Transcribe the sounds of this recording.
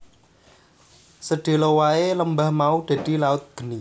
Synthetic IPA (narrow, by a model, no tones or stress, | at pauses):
səɖ̪̥e̤lowaeləmbahmaud̪̥ä̤d̪̥i̤laʊt̪̚ɡ̥ə̤ni